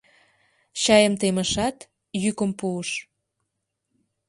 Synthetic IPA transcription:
ɕɑjəmt̪eməʃɑt̪ | jykəmpuəʃ

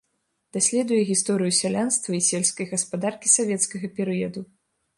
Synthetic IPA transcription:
d̪̥asʲlʲɛd̪ujɛɣʲist̪ɔɾɨjusʲalʲanst̪vɐisʲɛlʲskɐjɣɐspad̪arkʲisavʲɛt̪skɐɣɐpʲɛɾɨjɐd̪u

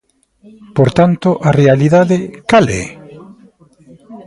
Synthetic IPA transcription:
poɾt̪ant̪ʊʔarealiðaðekalɛ̰

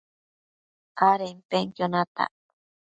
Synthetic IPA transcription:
ʔaɾempeŋkjonat̪a̰

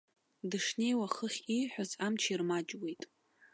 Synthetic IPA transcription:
dɨʂne̞jwaχəχʲiħᶣazamt͡ʃʰirmad͡ʒwe̞jtʼ

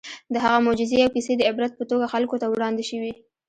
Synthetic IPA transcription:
d̪əɦaɣamʊd͡ʒɪzeawkised̪əɪbɾat̪̚pət̪oɡaxalkot̪awɽɑnd̪ɪʃəwi

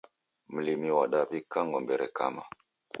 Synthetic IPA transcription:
m̩limiwaɗapikaŋɡɔmbeɾʔeka̰ma

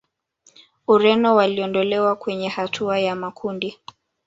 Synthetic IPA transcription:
uɾɛnɔwaliɔndɔlɛwakwɛɲɛhatʰuajamakʰundi

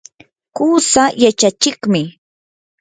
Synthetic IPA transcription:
kuːsajat͡ʃat͡ʃɪkmɪ

